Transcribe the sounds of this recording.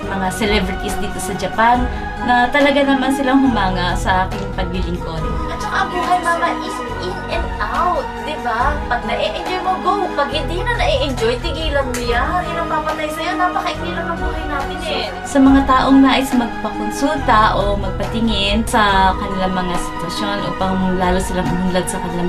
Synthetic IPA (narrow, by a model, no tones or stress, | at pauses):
mɐŋasɛlɛbɾɪt̪isd̪iːt̪o̞sɐd͡ʒɐpanː | ɐt̪ɐlɐɡanɐmansɪlaŋɦʊmaːŋɐsɐʔaːkɪŋpɐɡ̚bɪlɪŋkonɪʔɐt͡ʃɐkaɐbuːɦɐjmɐŋɐʔis | ʔɪnʔɛnd̪ʔawt̪̚d̪ɪbapɐɡ̚nɐʔiʔɛnd͡ʒojmoɡowpɐɡhɪnd̪inɐnɐʔiʔɛnd͡ʒojt̪ɪɡiːlɐŋmʊjaɪnɐŋmaːbɐt̪ajsɐjonaːpɐkɐʔɪd̪ilɐŋɐbuːhɐjnaːmɪnɛ | sɐmɐŋat̪aːʔoŋlaːʔɪsmɐɡ̚pɐkonsult̪ɐʔomɐɡ̚pɐt̪ɪŋɪnsɐkɐnɪlaŋmɐŋasɪ̥t̪wɐʃjo̞nʔo̰pɐŋmlaːlosɪlaŋʔɐmulad̪̚sɐkɐnɪlam